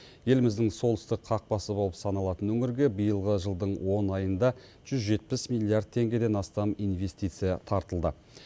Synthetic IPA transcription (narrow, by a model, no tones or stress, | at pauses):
je̞lmɪzd̪ɪŋso̞lˠɪst̪ɪqqʰːɑq̚bɑsəbo̞lˠəpsɑnɑlˠɑt̪ənwɵŋɪɾɡʲe̞bəjəlˠʁəʒəlˠd̪əɴwo̞nɑjənd̪ɑ | ʒ̥ʏzʒe̞t̪̚pɪsmilʲˠːiard̪̚t̪ʰe̞ŋɡʲe̞d̪e̞nɑst̪ɑmijnve̞st̪ijt̪sɨjɑt̪ʰɑɾt̪əlˠd̪ə